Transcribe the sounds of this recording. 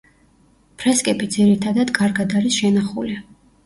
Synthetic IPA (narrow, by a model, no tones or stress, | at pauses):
pʰɾɛskʼɛbid̪ziɾit̪ʰad̪ad̪kʼaɾɡad̪aɾisʃɛnaχṵli